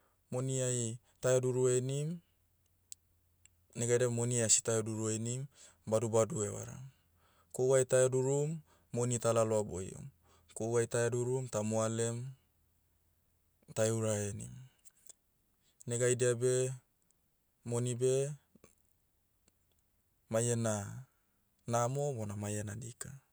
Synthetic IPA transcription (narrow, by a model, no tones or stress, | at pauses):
moniaj | taeduɾuenim | neɡajdeamoniasi̥tajoduɾuenim | badubaduewa̰ɾa̰ | kowajtaeduɾumː | onitalaloabo̰j̰o̰m | kowajtaeduɾumtamoalem | taeuɾaenḭm | neɡajdeabe | monibe | majena | namobonamajenadika